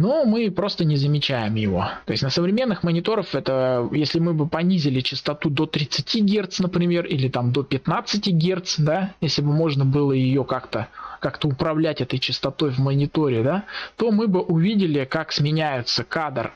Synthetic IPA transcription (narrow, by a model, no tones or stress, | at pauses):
nomɨpɾo̞st̪ənʲɪzəmʲɪt͡ɕæjɪmjɪvo̞̰t̪o̞jɪsʲnəsəvɾʲɪmʲenːɨxmənʲɪt̪o̞ɾəfɛt̪əjesʲlʲɪmɨbɨpɐnʲizʲɪlʲɪt͡ɕɪst̪ɐt̪ud̪o̞t̪ɾʲɪt̪sɨtʲiɡʲe̞rt̪snəpɾʲɪmʲe̞rilʲɪt̪amd̪o̞pʲɪt̪nat̪sɨtʲiɡʲe̞rt̪sd̪ajesʲlʲɪbɨmo̞ʐnəbɨlˠəjɪjokakt̪əkakt̪əʊpɾɐvlʲætʲɛt̪əjt͡ɕɪst̪ɐt̪o̞jvmənʲɪt̪o̞ɾʲɪd̪at̪o̞mɨbɨʔʊvʲidʲɪlʲɪkaksmʲɪnʲæjʊt̪səkad̪r